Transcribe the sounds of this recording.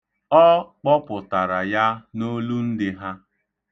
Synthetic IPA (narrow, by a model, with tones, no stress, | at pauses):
ɔ˦k͡pɔ˦pʊ˨ta˨ɾa˨ja˦no˦lu˦n̩˦dɪ˦ɦa˦